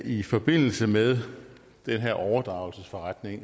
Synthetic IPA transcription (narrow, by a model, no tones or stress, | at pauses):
ifɒ̽b̥e̝n̰l̩səmeðˠ | d̥enɦeɐ̰ʔɒʊɐd̥ʁɑ̈ʊlsəsfɒ̽ʁad̥ne̝ŋ